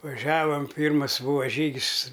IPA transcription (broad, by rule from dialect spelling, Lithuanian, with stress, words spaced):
ʋɐˈʒʲæːʋɐm ˈpʲiːrmɐs ˈbuːʋɐ ˈʒʲiːɡʲɪs